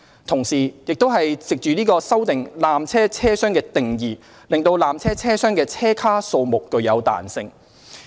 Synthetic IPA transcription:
t̪ʰʊ˨˩ŋsiː˨˩jɪ˨k̚t̪o˥wɦɐ˨jt͡sɪ˨k̚t͡ʃyː˨niː˥kɔː˧sɐ˥wt̪ɪ˨ŋlaː˨mt͡sʰɛː˥t͡sʰɛː˥sœː˥ŋkɛː˧t̪ɪ˨ŋjiː˨˩ | lɪ˨ŋt̪o˧wlaː˨mt͡sʰɛː˥t͡sʰɛː˥sœː˥ŋkɛː˧t͡sʰɛː˥kʰaː˥so˧wmʊ˨kːɵ˨˧ɥjɐ˨˧wt̪a̰ː˨˩nsɪ˧ŋ

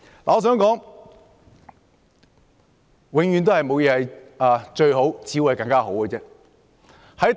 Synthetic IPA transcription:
laː˨ɔː˧s̬œː˨˥ŋkɔː˨˥ŋ | wɪ˨˧ŋɥy˨˧nt̪̬hɐ˨jmo˨˧wjɛː˧hɐ˨˧jaː˨t͡ʃɵ˧ɥɦo˨˥wt͡siː˨˥wu˨˩˨jkɐ˧ŋkaː˥ɦo˨˥wkə˧t͡sɛː˧˥ | hɐ˨˥t̪

